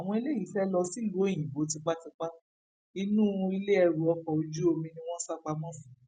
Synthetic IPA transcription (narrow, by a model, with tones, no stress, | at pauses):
a˨w̃ɔ̃˧i˧le˦ji˨˦fɛ˦lɔ˧si˦˨lo˨˦e˦˨j̃ĩ˨bo˨˦t̬ĩ˧k͡pa˦ti˧k͡pa˦ | i˧nũ˦i˧le˦ɛ˧˨ɾu˨ɔ˧kɔ˨o˧d͡ʒu˦o˧mĩ˧nĩ˧w̃ɔ̃˦sa˦˨k͡pa˦mɔ̃˦fĩ̥˨